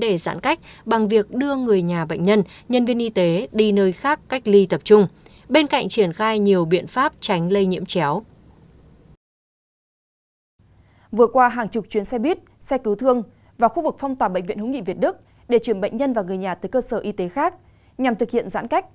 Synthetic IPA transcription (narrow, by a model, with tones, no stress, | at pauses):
ɗe˧˩za̰ː˧˥nka˦˥jk̟̚ɓa˨˩ŋvi˨˩ək̚ɗɨ˧əŋɨ˨˩əjɲaː˨˩ɓə̰˧˨ŋ̟ɲə˧nɲə˧nvi˧ənʔi˧t̪e˨˦ɗi˧nəː˧jxaː˦˥kːa˦˥jk̟̚li˧t̪ə˨˩p̚t͡ɕʊ˧ŋ͡m | ɓe˧nka̰˧˨jŋ̟t͡ɕi˧˩ənxaː˧jɲi˨˩əwɓḭ˧˨ənfaː˦˥p̚t͡ɕa˨˦jŋ̟lə˧jɲḭ˧˥əmt͡ɕɛ˨˦w | vɨ˨˩ət̚kwaː˧ɦaː˨˩ŋt͡ɕʊ˨˩k͡p̚t͡ɕwi˨˦ənsɛ˧ɓi˦˥t̚sɛ˧ki˨˦wt̪ʰɨ˧əŋ | vaː˨˩wxu˧vɨ˨˩k̚fɔ˧wŋ͡mt̪waː˨˩ɓə̰˧˨ŋ̟vḭ˧˨ənhʊ˨˦ŋḭ˧˨vi˨˩ət̚ɗɨ˦˥k̚ | ɗe˧˩t͡ɕwi˧˩ənɓə̰˧˨ŋ̟ɲə˧nvaː˨˩ŋɨ˨˩əjɲaː˨˩t̪ɨː˨˩jkəː˧səː˧˩ʔi˧t̪e˨˦xaː˦˥k̚ | ɲa˨˩mt̪ʰɨ˨˩k̚hḭ˧˨ənza̰ː˧˥nka˦˥k̚